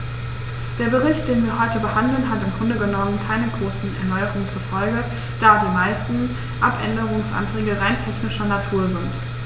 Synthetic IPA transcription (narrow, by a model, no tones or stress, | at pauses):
d̥eːɐbəʁ̞ɪçt̚d̥eːnviːɐɦɔʏtəbəhandl̩nɦatɪmɡʁʊndəɡənɔmənkʰaɪnənɡʁoːsn̩ɛ̰ɐnɔʏəʁʊŋt͡suɐfɔlɡə | d̥aːdiːmaɪstn̩ | ʔapʔɛ̰ndəʁ̞ʊŋsʔa̰ntʁ̥ɛːɡəʁaɪntʰɛçnɪʃɐnatʰuːɐzɪnt